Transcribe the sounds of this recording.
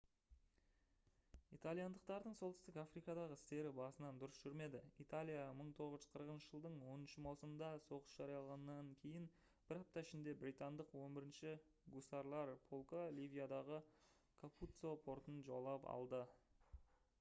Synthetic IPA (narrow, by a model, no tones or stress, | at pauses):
ijt̪alʲijɑnd̪əq̚t̪ɑɾd̪əɴsolt̪ɪst̪ɪkafrijkɑd̪ɑʁəɪst̪e̞ɾɪbɑsənɑnd̪ʊɾəsʒ̥ʏɾme̞d̪ɪit̪alʲijaməɴt̪ʰo̞ʁəzʒʏ̥z̥qʰəɾəqənʃəʒəlˠd̪əɴwo̞nənʃəmɑsəmənd̪ɑso̞qə̥sʒ̥ɑɾijɑlˠʁɑnəːɑŋkʲʰe̞jɪn | b̥ɪɾɑp̚t̪ɑɪʃɪnd̪e̞bɾijt̪and̪əqwo̞mbɪɾɪnʃɪ | ɡusɑɾlˠɑɾpʰo̞lˠkolʲivijad̪ɑʁə | kʰaput̪so̞pʰo̞ɾt̪ənʒolˠɑpɑ̰lˠd̪ə